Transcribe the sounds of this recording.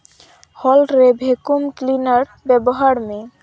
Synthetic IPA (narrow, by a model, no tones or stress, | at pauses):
hɔlɾebʱekumklinaɾ | bɛboɦaɾme